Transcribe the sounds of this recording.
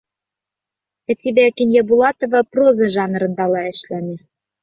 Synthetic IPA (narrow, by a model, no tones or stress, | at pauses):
æ̆t̪ʲibækinʲjɑbulˠɑt̪ovɤ̆prozɤ̆ʒɑnɤ̆ɾɤ̆nd̪ɑlɑɘ̆ʃlænʲɘ̆